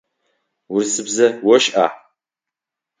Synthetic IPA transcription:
wʊrsɨbzɐwɔʃʔa̰ːħ

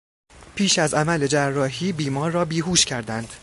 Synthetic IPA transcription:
pʰiːʃæzæmæle̞d͡ʒærːɒːɦiːbiːmɒːɾːɒːbiːɦuːʃcʰæɾd̪ænd̪̥

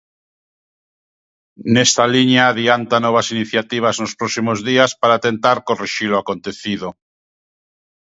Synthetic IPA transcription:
nest̪aliɲjaːðiant̪anoβ̞asiniθjat̪iβ̞aznospɾosimozðiaspaɾat̪ent̪aɾkoreʃiloakont̪eθið̞o

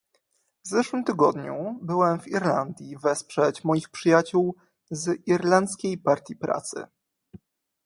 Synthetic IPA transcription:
vzɛʂwɘmt̪ɘɡɔd̪ɲubɘwɛmviɾland̪ʲjivɛspʂɛt͡ɕmɔjixpʂɘjat͡ɕuw | ziɾlant̪skʲejpaɾt̪ʲjipɾa̰t̪sɘ̰

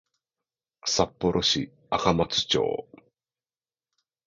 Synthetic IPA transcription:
sapːo̞ɾʔo̞ɕi | akamat͡sɨ̥t͡ɕo̰ː

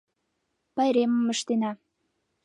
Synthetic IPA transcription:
pɑjɾemə̆məʃt̪enɑ

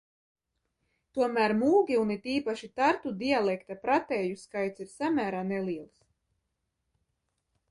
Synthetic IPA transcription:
t̪uɔmæːɾmuːɡʲiunit̪iːpaʃit̪aɾt̪ud̪ialˠɛkt̪apɾat̪ɛːjuskajt̪siɾsamʲæːɾaːnɛliɛlˠs

